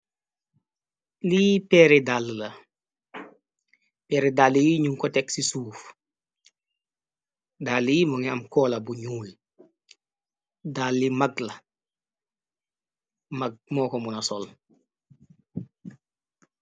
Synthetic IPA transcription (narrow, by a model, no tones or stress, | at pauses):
lipɛːɾedalːlɐ | pɛɾedalːijiɲuŋkɔtɛksisuːf | dalːijimɔŋiamkɔːlɐbuɲuːl | dalːimaɡlɐ | maɡ̚mɔːkɔmunasɔl